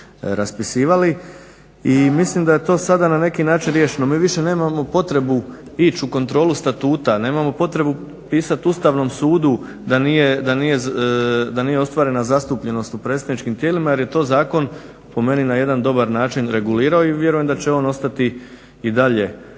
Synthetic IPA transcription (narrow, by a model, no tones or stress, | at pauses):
ɾaspisiːʋali | imislimd̪aje̞t̪o̞ːsad̪anane̞kinaːt͡ʃinɾje̞ːʃino̞miːʋiʃe̞ne̞ːmamo̞po̞t̪ɾe̞bu | it͡ɕuko̞nt̪ɾo̞ːlust̪at̪uːt̪ane̞ːmamo̞po̞t̪ɾe̞bu | piːsat̪ust̪aːʋno̞ːmsuːd̪u | d̪anije̞d̪anije̞ | d̪anijeo̞st̪ʋaːɾe̞nazast̪upʎe̞no̞st̪upɾe̞ːt̪st̪ad̪nit͡ʃkimt̪jeːlimajeɾje̞t̪o̞ːzaːko̞n | po̞me̞ninajed̪and̪o̞baɾnaːt͡ʃinɾe̞ɡuliːɾaoiʋje̞ɾujemd̪at͡ɕe̞o̞ːno̞st̪at̪i | id̪aʎe̞